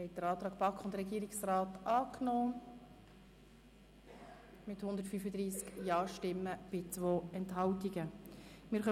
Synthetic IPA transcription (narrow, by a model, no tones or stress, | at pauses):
hɛɪt̚d̥əɾɑːt̪ɾɑːkpɑkχʊnd̪əɾɛɡiːɾiksraːtʔɑːknoː | mɪthʊnd̪əɾtfyfəd̪ɾiːskjɑːɾʃtɪmːəb̥ɪt͡svoːɛntɦɑltiɡəmɪːɾχœ